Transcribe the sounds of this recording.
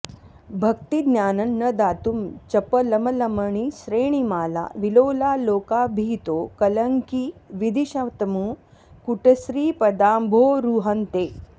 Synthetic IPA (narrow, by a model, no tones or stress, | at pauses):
bʱɐkt̪id̪nʲjaːnɐnːəd̪aːt̪umt͡ɕɐpəlɐməlɐməɳ̃isɾeːɳ̃imaːla̰ʋilowlaloːkabʱiːt̪okɐləŋkiʋid̪iɕaʋt̪əmuː | kuʈɐsɾiːpɐd̪aːmbʱoːɾuɦənt̪eː